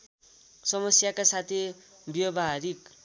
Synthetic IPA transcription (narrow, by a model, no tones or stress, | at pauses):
sʌmʌsjakasat̪ʰi | bjʌbʱaɦɾik